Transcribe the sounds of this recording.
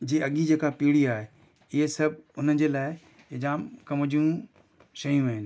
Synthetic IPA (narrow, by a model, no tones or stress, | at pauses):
d͡ʑeːɐɠid͡ʑeːkapiːɽiaːɦe | ɪɦesɐbʱʊnəd͡ʑeːlaːɪ | ɪd͡ʑaːmkɐmʊd͡ʑiũ | ʃɐjũaːɦɪn